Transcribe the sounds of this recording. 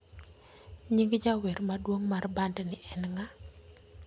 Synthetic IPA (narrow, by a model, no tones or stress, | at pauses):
ɲiŋɡd͡ʒaweɾmadwoŋmarbandɛnɪʔɛnŋa